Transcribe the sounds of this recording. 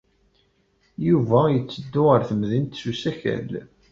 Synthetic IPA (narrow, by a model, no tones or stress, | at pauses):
juvæjət͡sːəd̪ːʊʁəɾθəmðint̪susæçæ̰l